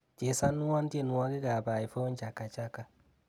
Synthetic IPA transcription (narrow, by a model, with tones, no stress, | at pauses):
t͡ʃe˨sa˦nːu˦wa˦n˦te˦˨nu˨wa˦ki˦ɡa˨ba˨i˨fo˦nt͡ʃa˨kːa˨t͡ʃa˦ka˨